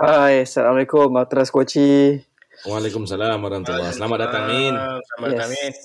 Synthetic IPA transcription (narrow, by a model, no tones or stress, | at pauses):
hajsalamalekʊmat̪ɾaskot͡ʃi | walekumsalamaɾamat̪ulːasəlamat̪̚dat̪aŋinamjɛs